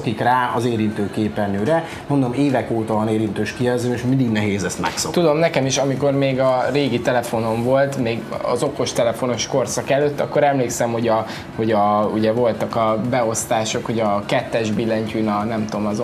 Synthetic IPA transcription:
kikraːɒzeːɾint̪øːkeːpɛnøːɾɛ | mond̪o̞meːvɛkoːt̪ɒvɒneːɾint̪øːʃkijɛzøːmeʃmind̪iɡnɛɦeːzɛst̪mɛ̰ksot̪ud̪o̞mnɛkɛmiʃɒmiko̞rmeːɡɒreːɡit̪ɛlɛfo̞no̞ɱvo̞lt̪meːɡɒ̰zo̞ko̞ʃt̪ɛlɛfo̞no̞ʃko̞rsɒkɛløt̪ːɒkːo̞ɾɛmleːksɛmho̞ɟɒ | ho̞ɟɒuɟɛvo̞lt̪ɒkɒbɛo̞st̪aːʃo̞kho̞ɟɒkɛt̪ːɛʒbilːɛɲcynɒnɛmt̪omɒz

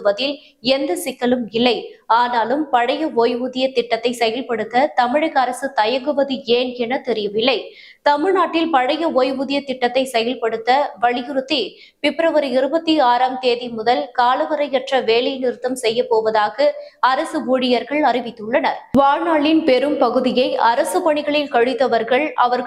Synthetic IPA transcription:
ɯʋɐðɪl | ɛnd̪ɯsɪkːɐlɯmɪlːɐɪaːnaːlɯmpɐɻɐjɐoːjʋuðɪjɐt̪ːɪʈːɐt̪ːɐɪsɛjɐlpɐɽɯt̪ːɐt̪ɐmɪɻɐkːɐɾɐsɯt̪ɐjɐŋɡɯʋɐðɯeːnɛnɐt̪ɛɾɪjɯmɪlːɐɪ | t̪ɐmɪɻnaːʈːɪlpɐɻɐjɐoːjʋuðɪjɐt̪ɪʈːɐt̪ːɐɪsɛjɐlpɐɽɯt̪ːɐʋɐɭɪjɯɾɯt̪ːi | pɪpːɪɾɐʋɐɾɪɾɯbɐt̪ːiaːɾaːmt̪eːðimʊðɐlkaːlɐʋɐɾɐɪɛʈrɐʋeːlɐjnɪɾɯt̪ːɐmsɛjːɐpːoːʋɐðaːɣɐɐɾɐsɯʋoːɽɪjɐɾɣɐɭɐrɪʋɪt̪ːɯɭːɐnɐɾʋaːnaːɭɪnpɛɾɯmpɐɣɯðɪjɐɪʔɐɾɐsɯpɐɳɪɣɐɭɪlkɐɻɯt̪ːɐʋɐɾɣɐɭʔɐʋɐɾ

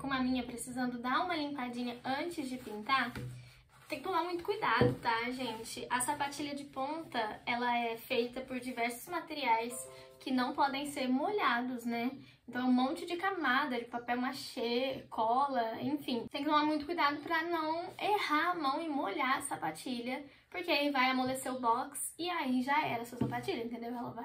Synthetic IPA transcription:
kõmʊɐmĩɲɐpɾesizɐ̃nd̪ʊd̪aũmɐlĩmpad͡ʒĩɲɐɐ̃nt͡ʃɪzd͡ʒɪpĩnt̪aɾ | t̪ẽkɪt̪omaɾmũj̃t̪ʊ̥kujd̪ad̪ʊt̪aʒẽt͡ʃɪʔɐsapat͡ʃiʎɐd͡ʒɪpõnt̪ɐɛlɐɛfejt̪ɐpʊɾd͡ʒivɛɾsʊ̥zmat̪eɾiajs | kɪnɐ̃w̃pɔd̪ẽj̃seɾmoʎad̪ʊznɛ | ẽnt̪ɐ̃w̃mõnt͡ʃɪd͡ʒɪkamad̪ɐd͡ʒɪpapɛwmaʃekʰɔlɐẽfĩt̪ẽkɪnɐ̃w̃amũj̃t̪ʊkujd̪ad̪ʊpɾɐnɐ̃w̃ehaɾɐmɐ̃w̃ɪmoʎaɾɐsapat͡ʃiʎɐ | poɾkeaivajamoleseɾʊbɔksɪaiʒaɛɾɐsuɐsapat͡ʃiʎɐẽnẽnd̪ewɛlɐvaj

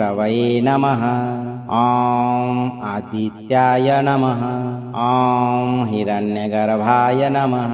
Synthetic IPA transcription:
ɾɐʋɐjeːnɐmɐɦɐ̆ɔːmmad̪ʱit̪jaːjɐnɐmɐɦɐɔːmɦiɾɐnjɐɡɐɾɐbʱaːjɐnɐmɐɦ

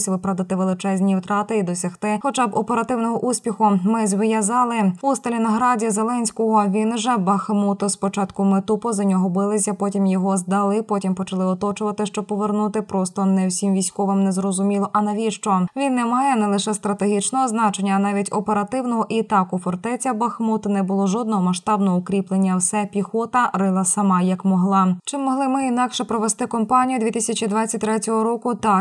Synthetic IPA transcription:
sʲʋɪpɾɐd̪ɐt̪ɪʋelˠɪt͡ʃɛzʲnʲiwt̪ɾɑt̪ɪid̪ɔsʲɐxt̪ɪxɔt͡ʃabɔpeɾɐt̪ɪwnɔɦɔʔusʲpʲixʊmɪzʲʋɪjɐzɑlˠɪust̪ɐlʲinɐɦɾɑdʲizelˠɛnʲsʲkɔɦɔʋʲinʒɛbɐxmut̪ɔspɔt͡ʃɑt̪kʊmet̪upɔzɐnʲɔɦɔbɪlˠɪsʲɐpɔtʲimjɔɦɔzd̪ɐlˠɪpɔtʲimpɔt͡ʃɐlˠɪɔt̪ɔt͡ʃʊʋɐt̪ɪʃt͡ʃɔpɔʋernut̪ɪpɾɔst̪ɔnɛwsʲimʋʲijsʲkɔʋɪmnɛzrɔzʊmʲilˠɔʔɐnɐʋʲiʃt͡ʃɔʋʲinːɛmɑjɛnɛlˠɪʃɛst̪ɾɐt̪eɦʲit͡ʃnɔɦɔznɑt͡ʃe̞nʲːɐːnɑʋʲitʲɔpeɾɐt̪ɪwnɔɦɔʔit̪ɑkʊfɔrt̪ɛt͡sʲɐbɐxmut̪nɛbʊlˠɔʒɔd̪nɔɦɔmɐʃt̪ɑbnɔɦɔʊkɾʲiplˠenʲːɐwsɛpʲixɔt̪ɐrɪlˠɐsɐmɑjɐkmɔɦlˠɑt͡ʃɪmːɔɦlˠɪmɪinɑkʃɛpɾɔʋest̪ɪkɔmpɑnʲijʊd̪ʲʋʲit̪isʲɐt͡ʃʲid̪ʋɑt͡sʲːɐt̚ʲt̪ɾɛtʲɔɦɔɾɔkʊt̪ɑ

